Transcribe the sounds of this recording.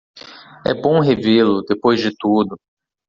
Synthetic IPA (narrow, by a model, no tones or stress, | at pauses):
ɛ̰bõw̃ɦevelʊd̪epojzd͡ʒɪt̪ud̪ʊ